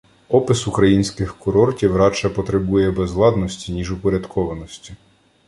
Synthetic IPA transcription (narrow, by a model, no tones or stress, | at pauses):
ɔpɪsʊkɾɐjinʲsʲkɪxkʊɾɔrtʲiwɾɑt͡ʃɛpɔt̪ɾɪbujɛbɛzʋlˠɑd̪nɔsʲtʲinʲiʒʊpɔɾʲɐd̪kʰɔʋɐnɔsʲtʲi